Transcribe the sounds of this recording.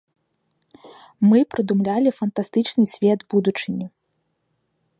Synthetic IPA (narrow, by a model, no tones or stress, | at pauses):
mɨpɾɨd̪umlʲalʲifɐnt̪ast̪ɨt͡ʂnɨsʲvʲɛd̪bud̪ut͡ʂɨnʲi